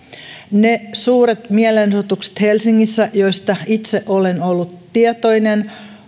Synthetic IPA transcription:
nesuːɾet̪mielensut̪ukse̥t̪helsiŋːisːæʔjo̞jst̪ɑit̪seʔolenolːut̪ːiet̪ojnen

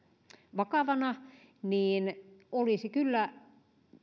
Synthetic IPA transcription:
ʋɑkɑʋɑnɑ | niːnolisikylːæ

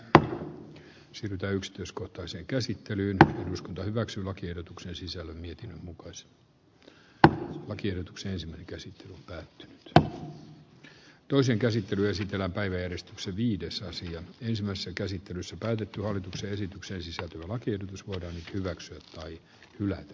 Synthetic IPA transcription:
siːryt̪æːyksi̥t̪yiskoht̪ɑiseːŋkæsit̪ːelyːneduskunt̪ɑhyʋæksyːlɑkiehdot̪uksensisælːømmiet̪inːømmukɑis | lɑkiehdot̪u̥ksenensimæineŋkæsit̪ːelyompæːt̪ːyny̥t̪ | t̪oiseːŋkæsit̪ːelyesit̪elːæmpæiʋæjærest̪ykseʋiːdesɑsiɑensimæisesːækæsit̪ːelysːæpæːt̪et̪ːyhɑlːit̪ukseesit̪ykseːnsisælt̪øjælɑkiehdot̪usʋoidɑːnnyt̪hyʋæksyæt̪t̪ɑi | hylæt̪æ̥

